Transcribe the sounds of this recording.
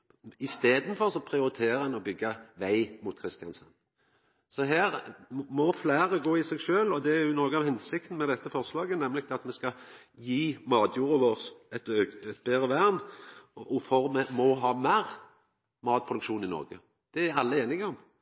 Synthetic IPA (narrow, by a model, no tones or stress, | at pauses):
ɪst̪eːd̪n̩fɔɾsɔpʰɾɪʊɾɪt̪ʰeːɾəɛnɔbʏɡːɑʋæɪmʊt̪̚kʰʁɪst̪ɪjɑnsɑ̰n | sɔɦæːɾmɔflæːɾəɡoːɪsɛɡʃøːlɔd̪ɛæɾjʊnoːɡəɑʋhɛnsɪk̚t̪n̩mɛd̪ɛt̪ːəfɔʁslɑːɡənɛmlɪkt̪ʰɑt̪mɛskɑ | jiːmɑːd̪juːɾəʋoːʁsɛt̪øɛt̪̚beːʁəʋæʁn | ɔfɔɾmɛmɔɦɑːmæːʁ | mɑːt̪̚pʰʁʊd̪ʉkʃuːnɪnɔ̰ɾʁɡə | d̪̥ɛæɾɑlːəeːnɪŋəɔm